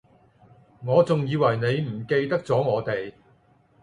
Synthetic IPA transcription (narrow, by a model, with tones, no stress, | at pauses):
ŋɔː˨˧t͡sʊ˨ŋjiː˨˧wɐ˨˩jne˨˧jm̩˨˩ke˧jt̪ɐ˥k̚t͡sɔː˨˥ŋɔː˨˧t̪e˨j